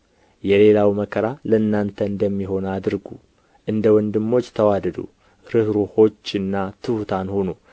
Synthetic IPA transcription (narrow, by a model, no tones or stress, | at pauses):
jɛle̞lawməkʰəɾaləɨnːant̪ʰəɨnd̪əmːiɦo̞nad̪ɨɾɡṵ | ʔɨnd̪əwɔnd̪ɨmːo̞t͡ʃːt̪ʰəwad̪əd̪ṵ | ɾɨhɾuho̞t͡ʃːɨnːat̪ʰɨhut̪ʰanhonu